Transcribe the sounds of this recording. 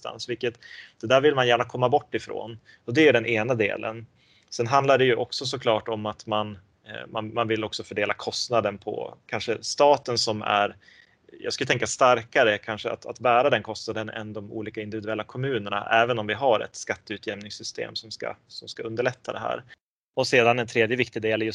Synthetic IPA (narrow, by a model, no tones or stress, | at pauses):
t̪a̰nsvɪlkːət̪d̪̥ɛd̪æːɾvɪlmanjæːɳakʰɔmːabɔʈːɪfɾo̰ːn | ɔd̪ɛɵɖɛnʔeːnad̪ḛːlʔə̰n | sɛnɦand̪laɖɛjɵʔɔksɔs̬ɔkʰlɑːʈɔmat̪man | ma̰nmanvɪlːɔksɔfœɖeːlakʰɔst̪nad̪ənpʰɔ̰kʰanʂəst̪ɑːt̪ənsɔmæ̰ɾ | jɑ̰ɡskajət̪ɛŋkːast̪aɾkaɾəkʰanʂəa̰t̪a̰t̪bæːɾad̪ɛnkʰɔst̪nad̪ənɛ̰nd̪ɔmṵːliːkaɪnd̪ɪvɪd̪ɵɛlːakʰɔmʉ̟ːnəɳa̰ʔɛːvənɔmvɪɦaɾɛ̰t̪skat̪ːəʉːt̪ʰjɛmnɪŋsʏst̪ḛːmsɔmska̰sɔmskaɵnd̪əɭɛt̪ʰːad̪ɛɦæ̰ːɾ | ɔseːd̪anɛnt̪ʰɾeːd̪jəvɪk̚t̪ɪd̪eːljɵ